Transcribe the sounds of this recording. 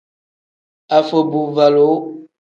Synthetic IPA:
a˨fə˨bu˨va˨lo˨˦

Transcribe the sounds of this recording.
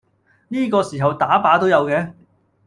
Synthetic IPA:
niː˥kɔː˧siː˨˩ɦɐ˨wt̪aː˨˥paː˨˥t̪o˥wjɐ˨˧wkɛː˧˥

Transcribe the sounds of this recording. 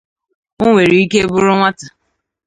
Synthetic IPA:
ʊ˦ŋʷe˨ɾi˨i˦ke˦bʊ˦ɾʊ˦ŋʷa˦ta˨

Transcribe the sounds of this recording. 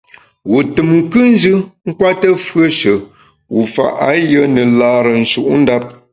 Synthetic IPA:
wu˨tɨ˨mŋ˨kɨ˦n̩˦d͡ʒɨ˦ŋ̩˦kwa˦tə˦fɰə˦ʃə˨ | wu˨fa̰˨ʔa˨˦jə˦nɨ˨laː˨˦ɾə˨n̩˨ʃu˨ʔn̩˦da˦p̚

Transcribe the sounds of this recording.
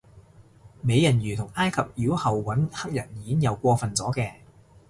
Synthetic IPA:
me˨˧jɐ˨˩njyː˨˩t̪ʰʊ˨˩ŋaː˥jkʰɐ˨p̚ji˨˥whɐ˨wwɐ˨˥nhɐ˥k̚jɐ˨˩njiː˨˦ɪ˥jɐ˨˧wkʷɔː˧fɐ˨nt͡sɔː˨˥kɛː˧

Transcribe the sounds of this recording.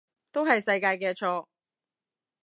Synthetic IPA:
t̪o˥wɦɐ˨jsɐ˧jkaː˧jkɛː˧t͡ʃʰɔː˧

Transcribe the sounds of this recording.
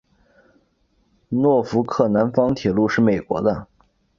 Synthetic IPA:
nwɔ˥˩fu˧˥kʰɤ˥˩na˧˥nfɑ˥ŋt̪ʰjɛ˨˩lu˥˧ʂɻ̩˥˩me˨˩ɪkwɔ̰˧˥d̪ə˧

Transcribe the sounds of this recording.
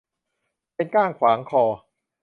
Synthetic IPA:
pe˧nkaː˥˩ŋkʰwaː˩˦ŋkʰɔː˧˩

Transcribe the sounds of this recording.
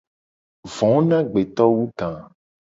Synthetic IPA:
vɔ̃˨˦nã˦ɡ͡be˨t̪ɔ˦wu˦t̪ã˨

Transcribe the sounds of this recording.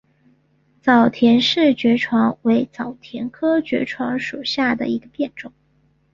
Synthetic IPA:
t͡sɑ˨˩ʊt̪ʰjɛ˧˥nʂɻ̩˥˩t͡ɕɥɛ˧˥ʈ͡ʂʰwɑ˧˥ŋwe˧˥ɪt͡sɑ˨˩ʊt̪ʰjɛ˧˥nkʰɤ˥t͡ɕɥɛ̰˧˥ʈ͡ʂʰwɑ˧˥ŋʂu˨˩ʊɕja˥˩d̪ə̰˩i˧˥ɡə˧pjɛ˥˩nʈ͡ʂʊ˨˩˦

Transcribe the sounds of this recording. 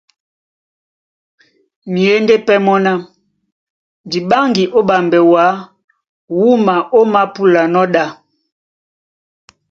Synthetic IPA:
mi˨e˦nde˦pɛ˦mɔ˦na˦ | di˨ɓa˦ŋɡi˨ʔo˦ɓa˨mbɛ˨wa˨˦ | wu˦ma˨ʔo˦ma˦pu˦la˨nɔ˦ɗa˦˨

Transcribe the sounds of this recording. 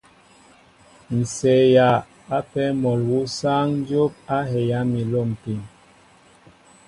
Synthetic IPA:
n̩˨sɛ˨ja˨ | a˦pɛ˦mɔ˨lwu˦sa˦ŋ˦d͡ʒo˦p̚a˦hɛ˨ja˨˦mi˨lo˦˨m˨pi˨n

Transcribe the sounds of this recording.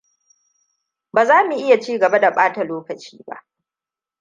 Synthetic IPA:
baː˨zaː˦mu˨ʔɪ˦ja˨t͡ʃiː˦ɡɐ˨ba˦da˨ɓaː˦ta˨loː˦kɐ˨t͡ʃiː˦ba̰˦ʔ

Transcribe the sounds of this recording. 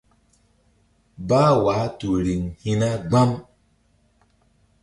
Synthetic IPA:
baː˦waː˨˦tu˨ɾi˨ŋhi˦na˦ɡ͡ba˦m

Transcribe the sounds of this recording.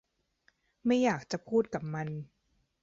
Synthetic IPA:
ma˥˩jːaː˨˩k̚t͡ɕa˨˩pʰuː˥˩t̪̚ka˨˩p̚ma˧n

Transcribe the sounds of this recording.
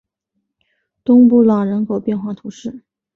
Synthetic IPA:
t̪ʊ˥ŋpu˥˩lɑ˨˩ʊɻə˧˥nkʰo˨˩ʊpjɛ˥˧nxwa˥˩t̪ʰu˧˥ʂɻ̩˥˩

